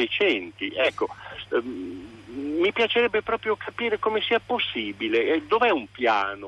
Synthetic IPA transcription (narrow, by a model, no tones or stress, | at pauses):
et͡ʃɛnt̪iʔɛkːo | mipjat͡ʃeɾɛbːepɾɔːpɾjokʰapiːɾekoːmesiːaposːiːbiled̪ovɛumpja̰ːno